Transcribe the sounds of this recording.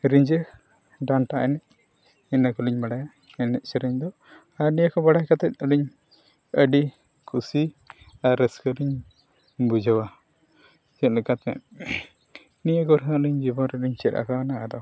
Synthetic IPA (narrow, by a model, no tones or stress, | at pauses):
ɾiɲd͡ʒɛ | ɖanʈaʔɛnɛʔ | ɛnakɔliɲbaɽaja | ɛnɛʔsɛɾiɲd̪ɔ | aɾnijəkɔbaɽajkat̪ɛt̪̚ˀəliɲ | əɖi | kʰusi | aɾːɛskəliɲ | bud͡ʒawa | d͡ʒɛt̪lɛkat̪mɛ̰t̪ | nijəɡɔɾɦaəliɲd͡ʒibɔnɾɛliɲt͡ʃɛɾʔa̰kawanaad̪ɔ